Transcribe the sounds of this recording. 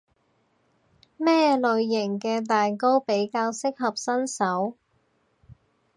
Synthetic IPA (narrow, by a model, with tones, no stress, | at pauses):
mɛː˥lɵ˨ɥjɪ˨˩ŋkɛː˧t̪aː˨nko˥wpe˨˥jkaː˧wsɪ˥k̚ɦɐ˨p̚sɐ˥nsɐ˨˥w